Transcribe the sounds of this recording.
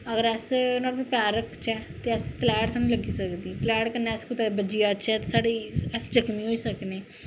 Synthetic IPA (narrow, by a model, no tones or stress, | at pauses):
əɡəɾɛːsnɔːɾmẽpjaːɾəkt͡ʃɛːt̪eəskəlɛːɽsaːnũləɡiːsəkd̪iːklɛːɽkənɛːskʊt̪abəd͡ʒiːaːt͡ʃɛːt̪esaːɽiːɛsd͡ʒəkmĩːɦoːiːsəkneː